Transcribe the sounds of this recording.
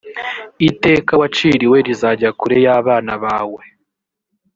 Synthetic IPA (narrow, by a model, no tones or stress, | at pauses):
ite̞ːkawat͡ʃiɾiwe̞ɾizaɟakuɾe̞jaːβaːnaβaːwe̞